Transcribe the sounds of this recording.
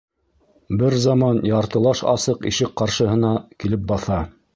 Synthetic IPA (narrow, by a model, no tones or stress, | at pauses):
bɘɾzɑmɑnjɑɾt̪ɤ̆lˠɑʃɑ̰sɤqiʃɘk̚qɑɾʃɤ̆ɦɤ̆nɑkilɘp̚bɑθɑ